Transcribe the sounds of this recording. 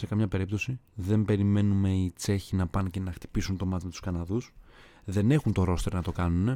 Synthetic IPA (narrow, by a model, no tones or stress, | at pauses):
se̞kɐmɲɐpe̞ɾip̚t̪o̞si | ðe̞mbe̞ɾime̞nume̞it͡se̞çinɐpɐnce̞nɐxt̪i̥pisunt̪o̞mɐt̪ime̞t̪u̥skɐnɐðus | ðe̞ne̞xunt̪o̞ɾo̞st̪e̞ɾnɐt̪o̞kɐnune̞